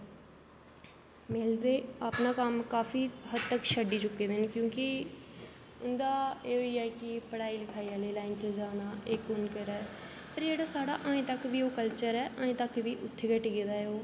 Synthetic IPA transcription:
meːld̪eːapnaːkəmkaːfʰiːɦəd̪t̪əkʃəɖiːt͡ʃʊkːeːd̪enkjõːkɪ | ʊnd̪aːeːoːiːɛːkɪpəɽaːiːlɪkʰaːiaːleːlaːɪnt͡ʃəd͡ʒaːnaːʔeːkːoːnkəɾaːɛː | pəɾd͡ʒeːɽaːsaːɽaːʔaːẽːt̪əkʋiːoːkəlt͡ʃəɾɛːʔaːẽːt̪əkʋiːʔʊt̪ʰːeːkəʈːɡeːd̪aːeoː

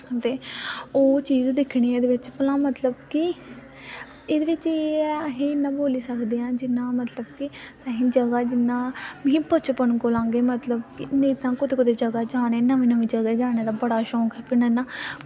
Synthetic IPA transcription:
t̪eːoːt͡ʃiːzd̪ɪkʰɽiːɛ̃ːd̪eːʋɪt͡ʃpəlãːmət̪ləbkɪ | ɪd̪eːʋɪt͡ʃeɦiːnãːboːliːsəkd̪eːãːd͡ʒɪnːãːmət̪ləbkɪsaːɦĩːd͡ʒəɡaːd͡ʒɪnãːʋĩːpət͡ʃʰpənkoːlãːŋɡeːmət̪ləbkɪnĩːt̪ãːkʊt̪eːkʊd̪eːd͡ʒəɡaːd͡ʒaːɽ̃eːnəʋĩːnəʋĩːd͡ʒəɡaːd͡ʒaːɽ̃eːd̪aːbəɽaːʃɔ̃ːkɛːpɪnãnãː

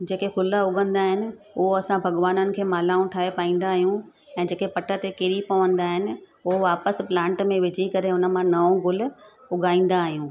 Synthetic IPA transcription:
d͡ʑeːkekʊləʊɡʱə̃nd̪aːɦɪnɪ̆ | ʊɦoɐsãbʱɐɠʋaːnənɪ̆kʰeːmaːlaːũʈʰaːɦepaːĩːn̆d̪aːɦijũ | ɛ̃ːd͡ʑeːkepɐʈʰə̆t̪ekɪɾipɐʋə̃nd̪aːɦɪnɪ̆ | ʊɦoʋaːpəsplãːɳʈmẽʋɪd͡ʑʱikɐɾeʊnə̆mãnɐõɡʊl̆ | ʊɠʱaːĩːn̆d̪aːɦijũː

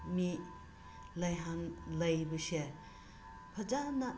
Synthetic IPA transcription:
mi | lɐjɦanlɐjbɯse | pʰɐd͡ʒana

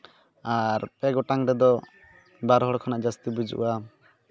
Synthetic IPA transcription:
aɾpɛɡɔʈaŋɾɛd̪ɔ | baɾɦɔɽkʰɔnaʔd͡ʒast̪ibud͡ʒṵʔṵwa

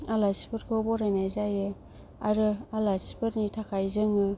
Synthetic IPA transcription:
alasi̥pɯɾkʰɯbɔɾajnajzajɯ | aɾɯalasi̥pʰɯɾnitʰakʰajzɯŋɯ

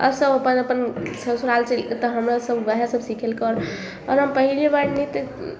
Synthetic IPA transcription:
ə̰ɾsəbəpənəpənsəsuɾalt͡ʃʰilt̪əɦəmɾasəbbəɦasəbʱsikʰelkəɾ | ɔɾɦəmpəɦilebaɽnit̪

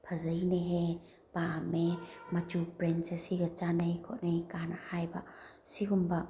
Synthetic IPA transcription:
pʰɐzəjneɦe | paamemɐt͡ʃupɾensesiɡɐt͡ʃanɐjkʰɔ̰tnajkanahajbasiɡumba

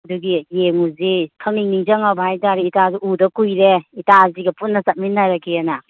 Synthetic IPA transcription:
ɐduɡijeŋuzikʰɐŋniŋniŋzaŋabhajtaɾeitazuudɐkujɾeitaziɡɐpunːɐsat̚minːaɾakiena

